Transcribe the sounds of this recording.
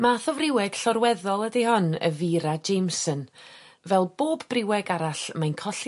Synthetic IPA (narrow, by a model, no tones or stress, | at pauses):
maθɔvrɪwɛɡ̥ɬɔɾwɛðɔlˠədihɔnə̰viɾad͡ʒejmsən | vɛlˠboːbbrɪwɛɡaɾaɬmajnkʰɔɬ